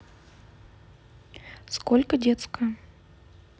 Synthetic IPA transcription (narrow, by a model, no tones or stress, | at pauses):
skolʲkədʲet̪skə